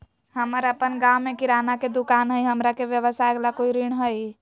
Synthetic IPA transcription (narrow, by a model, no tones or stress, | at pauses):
həməɾəpənɡawmekiɾanaked̪ukanɦəjɦəmɾakebjəβəsaeɡlakoiɾiɳɦəj